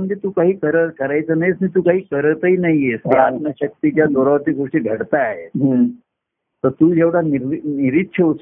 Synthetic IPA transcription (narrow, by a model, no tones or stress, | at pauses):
məɳd͡zet̪uːkaɦiːkəɾəkəɾajt͡sənajesmit̪̬uːkaɦiːkəɾt̪əinaɦieskiat̪nəɕək̚t̪it͡ɕjad̪oɾəʋat̪iɡʱoʂʈiːɡʱəɽt̪aaɦe | t̪əɾt̪uːd͡ʑeʋɽaniɾniɾit̪ɕʰəu